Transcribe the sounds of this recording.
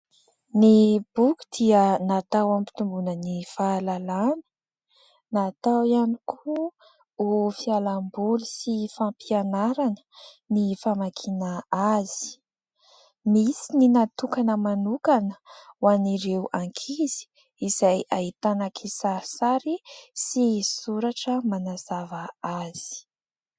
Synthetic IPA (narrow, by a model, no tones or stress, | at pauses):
nib̥ukʲu̥d̪̥iənat̪awampi̥t̪umbunənifaːlalanə̥ | nat̪awianikʰu | ufialambulusifampianaɾanə̥ | nifamakʰinəaz̥i̥ | misininat̪ukanəmanukanəwaniɾewʔaŋkʰiz̥i̥ | izajʔaɦit̪anakʰisaɾisaɾisisuɾaʈ͡ʂəmanazavəaz̥i̥